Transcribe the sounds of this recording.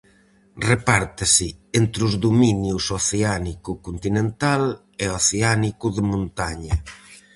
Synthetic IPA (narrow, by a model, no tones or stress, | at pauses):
repaɾt̪ɪsɪent̪ɾuzðuminjusoθeanikukunt̪inẽnt̪al | eoθeanikuðemõnt̪aɲɐ